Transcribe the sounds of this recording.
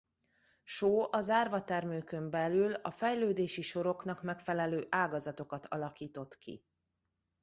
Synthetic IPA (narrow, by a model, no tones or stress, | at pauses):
ʃoːʔɒzaːrvɒt̪ɛrmøːkømbɛlylɒfɛjløːd̪eːʃiʃo̞ɾo̞kn̪ɒkmɛkfɛlɛløːʔaːɡɒzɒt̪o̞kɒt̪ʰɒlɒkiːt̪o̞t̪kḭ